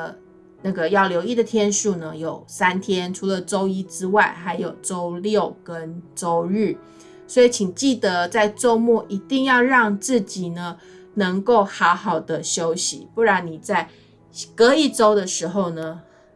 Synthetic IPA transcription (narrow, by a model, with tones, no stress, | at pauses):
na˥˩ɡə˩jɑ˥˩ʊljo˧˥ʊi˥˩d̪ə˨t̪ʰjɛ˥nʂu˥˩nə˩jo˨˩ʊsa˥nt̪ʰjɛ˥nʈ͡ʂʰu˧˥lə˧ʈ͡ʂo˥ʊi˥ʈ͡ʂɻ̩˥wa˥˩ɪxa˧˥ɪjo˨˩ʊʈ͡ʂo˥ʊljo˥˨ʊkə˦nʈ͡ʂo˥ʊɻ̩˥˩ | swɔ˧˥i˨˧˥t͡ɕʰi˨˩ŋt͡ɕi˥˩d̪ə˧˦t͡sa˥˩ɪʈ͡ʂo˥ʊmu˥˩ʔi˧˥t̪i˥˧ŋjɑ˥˧ʊɻɑ˥˧ŋt͡sɹ̩˥˩t͡ɕi˨˩nə˦ | nə˧˦˥ŋko˥˩ʊxɑ˧˥ʊxɑ˨˩ʊd̪ə˦ɕjo˥ʊɕḭ˨˦pu˥˩ɻa˧˥nni˨˩t͡sa˥˩ɪ | kɤ˧˥i˨˩ʈ͡ʂo˥ʊd̪ə˨ʂɻ̩˧˥xo˥˧ʊnə˩